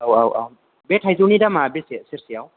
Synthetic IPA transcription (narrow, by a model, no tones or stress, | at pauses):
awawʔa̰w | bɛtʰajzunidamabesisiɾsiaw